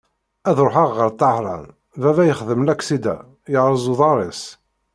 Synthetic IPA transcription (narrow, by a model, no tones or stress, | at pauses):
æðɾˤoħɑʁːəɾt̪ˤːɑhɾˤɑ̰n | vævæjəχðəmlækːsid̪æ̰ | jəʕɾˤəzˤuðˤɑɾˤis